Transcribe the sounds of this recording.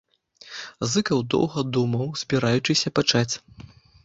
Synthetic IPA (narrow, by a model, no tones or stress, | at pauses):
zɨkɐwd̪ɔ̰wɣɐd̪umɐwz̥ʲbʲiɾajut͡ʂɨsʲɐpat͡ʂat͡sʲ